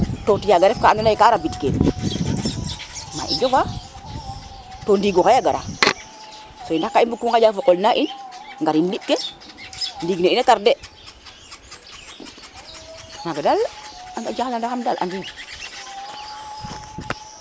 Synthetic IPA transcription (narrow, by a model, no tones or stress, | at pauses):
totijaɡaɾefkaandinaikaɾabitkḛ | ma̰ʔḭd͡ʒofa | tondiɡokajaɡaɾa̰ | sojndakːainbukuŋkad͡ʒafokolnaʔinŋɡaɾinlit̚ke | ndiɡneinekaɾde | naɡadalaŋɡad͡ʒaklandaxamdalʔa̰ndin